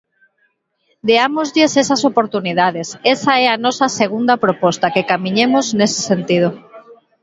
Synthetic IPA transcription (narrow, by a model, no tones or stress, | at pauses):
d̪eamozʎɪsesɐsopoɾt̪uniðaðesesaɛanɔsɐseɣund̪ɐpɾopɔst̪akekamiɲemoznese̥sent̪ið̞o